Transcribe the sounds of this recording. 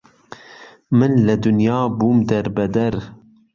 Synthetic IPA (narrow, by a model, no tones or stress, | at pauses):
mɨnlɨd̪ʊnjɑːbuːmd̪ɛɾbɛd̪ɛɾ